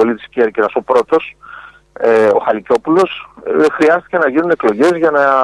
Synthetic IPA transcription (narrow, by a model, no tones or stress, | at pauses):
o̞lit̪iscieɾciɾɐso̞pɾo̞t̪o̞s | eo̞xɐlico̞pulo̞sxɾiɐst̪i̥ce̞nɐʝinune̞klo̞ʝe̞zʝɐnɐ